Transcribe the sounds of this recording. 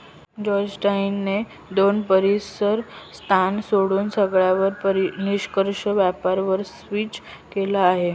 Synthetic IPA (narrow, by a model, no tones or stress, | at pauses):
d͡ʑɔd͡ʑʈainːe | d̪onpəɾisəɾst̪ʰansoɽuːnsəɡɭjaʋəɾpəɾiniɕkəɾʂəʋjapaɾʋəɾsʋiːt͡ɕkelaːɦe